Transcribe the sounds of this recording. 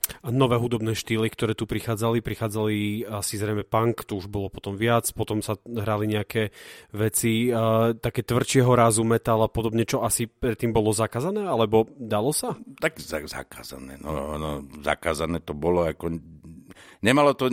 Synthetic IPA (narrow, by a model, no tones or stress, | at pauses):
nɔʋɛːɦud̪ɔbnɛːʃt̪iːlikt̪ɔɾɛːt̪upɾixaːd͡zalipɾixaːd͡zaliasizɾɛɪmɛpaŋkt̪ɔuʒbɔlɔpɔt̪ɔmʋɪat͡spɔt̪ɔmsaɦɾaliɲɛakɛːʋɛt͡sit̪akɛːt̪ʋr̩t͡ʃɪɛɦɔɾazumɛt̪alapɔd̪ɔbɲɛt͡ʃɔasipɾɛt̪ːiːmbɔlɔzakaːzanɛːalɛbɔd̪alɔsat̪akzaza̰ka̰ːza̰nɛ̰ːnɔ̰anɔza̰kaːzanɛːt̪ɔbɔlɔakɔ | ɲɛmalɔt̪ɔ